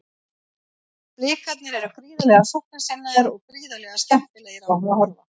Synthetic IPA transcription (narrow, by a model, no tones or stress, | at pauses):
lɪːkat̪nɪɾɛɾʏfɾiːðalɛɣasɔhknasɪnːaɣaɾɔɣfɾiːðalɛːɣascɛm̥p̪ɪleːjɪɾaaɦnaɦɔɾva